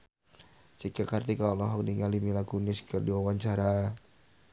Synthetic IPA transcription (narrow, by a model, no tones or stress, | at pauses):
t͡ʃikakart̪ikaɔlɔɦɔk̚niŋalimilakunɪskədiwawaɲt͡ʃaɾa